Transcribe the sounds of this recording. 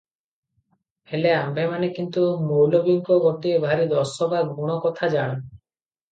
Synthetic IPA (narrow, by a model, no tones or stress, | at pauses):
heleambʱemanekint̪umowlobiŋkɔɡɔʈiebʱaɾid̪ɔsɔbaɡuɽ̃ɔkɔt̪ʰad͡ʒaɽ̃e